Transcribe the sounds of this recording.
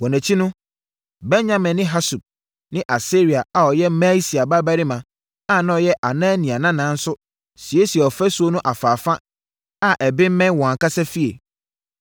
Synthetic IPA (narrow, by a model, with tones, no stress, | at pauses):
wɔ̃˨nɛ̃˨t͡ɕʰi˦nʊ̃˦ | bɛ˦nɲã˨mɛ̃˨nːɪ̃˦ɦa˦su˨p̚ | nɪ̃˦ʔa˨se˦ɾi˨a˨a˨ɔ˨jɛ˦mɛ˦si˨a˨ba˦bæ˦ɾi˦mã˨ | a˦˨nã˦ɔ˨jɛ˦ʔa˨nãː˦nĩ˨a˨nã˦nã˨˦n̩˦sʊ˦ | si˨e˦si˨ɛ˨ɔ˨fɾæ˦su˨˦o˦nʊ̃˦ʔa˨faː˨fã˦ | a˦ʔɛ˨bɪ˦m̩˦mɛ̃˦n˦wɔ̃˨ã˨kʰa˦sɛ˦fi˦ḛ˨